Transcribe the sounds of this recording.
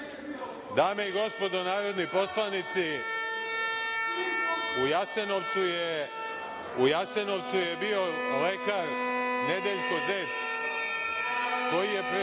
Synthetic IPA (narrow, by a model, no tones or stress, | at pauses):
d̪aːme̞iɡo̞spo̞d̪o̞naːɾo̞d̪nipo̞slˠanit̪si | ujasenoʋt̪sue | ujase̞no̞ʋt̪suje̞bio̞le̞kaɾne̞d̪eʎko̞zes | ko̞jije̞pɾ